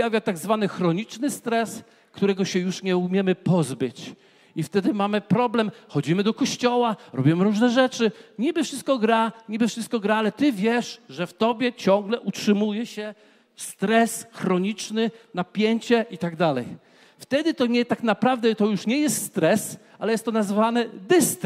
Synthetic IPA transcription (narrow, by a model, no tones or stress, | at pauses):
javʲjat̪aɡzvanɘxɾɔɲit͡ʂnɘst̪ɾɛs | kt̪uɾɛɡɔɕɛjuʂɲɛumʲjɛmɘpɔzbɘt͡ɕ | ift̪ɛd̪ɘmamɘpɾɔblɛmxɔd͡ʑimɘd̪ɔkɔɕt͡ɕɔwaɾɔbʲimɘɾuʐnɛʐɛt͡ʂɘɲibɘfʂɘst̪̚kɔɡɾaɲibɘfʂɘst̪̚kɔɡɾaalɛt̪ɘvʲjɛʂʐɛft̪ɔbʲjɛt͡ɕɔ̃ŋɡlɛʔutʂɘmujɛɕɛ | st̪ɾɛsxɾɔɲit͡ʂnɘnapʲjeɲt͡ɕɛʔit̪aɡd̪alɛ̰j | ft̪ɛd̪ɘt̪ɔɲɛt̪aknapɾavd̪ɛt̪ɔjuʂɲɛjɛst̪st̪ɾɛs | alɛjɛst̪ɔnazvanɛd̪ɘst̪